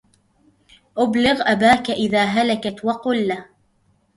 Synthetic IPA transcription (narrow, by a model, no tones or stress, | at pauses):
ʔʊblɪɣʔabaːkaʔɪðaːɦalakat̪wɑqʊlːa